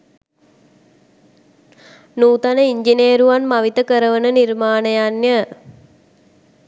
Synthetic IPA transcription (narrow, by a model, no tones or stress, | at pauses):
nuːt̪anəiɲd͡ʒineːɾuʋanmɐʋit̪əkəɾəʋənənirmaːnɐjanjə